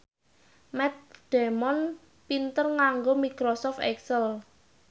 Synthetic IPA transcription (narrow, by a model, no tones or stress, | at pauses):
mɛt̪̚ɖ̪̥ɛ̤mɔn | pint̪ərŋaŋɡomikɾosɔft̪ɛksəl